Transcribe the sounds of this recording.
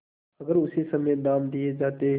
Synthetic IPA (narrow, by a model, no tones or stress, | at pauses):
əɡəɾʊseːsəmẽːnaːmd̪ɪeːd͡ʒaːt̪eː